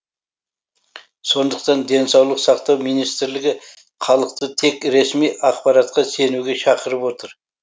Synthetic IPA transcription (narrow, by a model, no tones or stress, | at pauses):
so̞nd̪əq̚t̪ɑnd̪e̞nsɑwlˠəqsɑqt̪ɑwmijnijst̪ɪɾlɪɡʲɪ | χʰɑlˠəqt̪ət̪ʰe̞kɾe̞smijɑqpɑɾɑt̪qɑse̞nuɡʲe̞ʃɑqəɾəpwo̞t̪əɾ